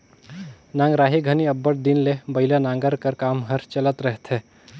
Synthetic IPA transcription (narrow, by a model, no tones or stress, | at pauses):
nãːŋɡɾaːɦiɡʱəniəbːəɽd̪inlebəɪlanãːŋɡəɾkəɾkaːmɦəɾt͡ʃələt̪ɾəɦt̪ʰɦɛ